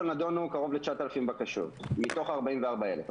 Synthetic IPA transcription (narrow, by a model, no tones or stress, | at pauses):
onad̪o̞nukaʁo̞vlet͡ʃaat̪alafimbakaʃo̰t̪mit̪o̞χaʁbaimveaʁbaelef